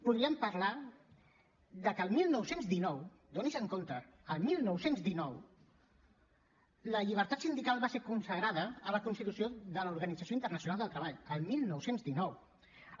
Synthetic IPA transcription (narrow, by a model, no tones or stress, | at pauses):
puðɾiəmpəɾla | d̪əkəlˠmilˠnɔwsenzd̪inɔw | d̪onizəŋkont̪əːlˠmilˠnɔwsenzðinɔw | ləʎiβ̞əɾt̪at̪sind̪ikalˠβaseɾkunsəɣɾaðəːləkunst̪it̪usioðəluɾɣənid͡zəsjoint̪ərnəsjunalˠd̪əlˠt̪ɾəβaʎəlˠmilˠnɔwsenzd̪inɔw